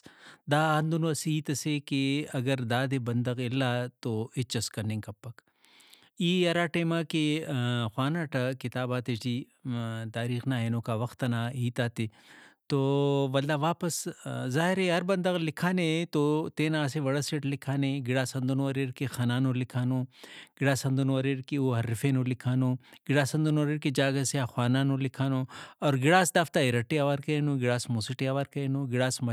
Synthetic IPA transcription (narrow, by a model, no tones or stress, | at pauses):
d̪aːɐnd̪unoɐseiːt̪ɐsekeɐɡɐɾd̪aːd̪ebɐnd̪ɐɣɪlːat̪oːɪt͡ʃɐskɐnẽːŋkɐpːɐk | iːɐɾaːʈeːmaːkexwaːnaːʈakɪt̪aːbaːt̪ed͡ʒiː | t̪aːɾiːxnaːɦenõːkaːʋɐxt̪ɐnaːiːt̪aːt̪et̪oːʋɐld̪aːʋaːpɐszaːɦɪɾeɦɐɾbɐnd̪ɐɣlɪkʰaːnẽt̪ot̪eːnãːs̬eʋɐɽaseʈlɪkʰaːnẽɡɪɽaːsɐ̃nd̪unoɐɾeːɾkexanaːnolɪkʰaːnõːɡ̥ɪɽaːsɐ̃nd̪unoɐɾeɾkioːɦɐɾːɪfeːnoːlɪkʰaːnoːɡ̥ɪɽaːsɐnd̪unoɾeːɾkid͡ʒaːɡɐseaːxwaːnaːnoːlɪkʰaːnoːɔːɾɡɪɽaːsd̪aft̪aːiɾɐʈːiaʋaɾkɐenõːɡɪɽaːsmuːsiʈiɐʋaɾkɐenoːɡɪɽaːsmɐ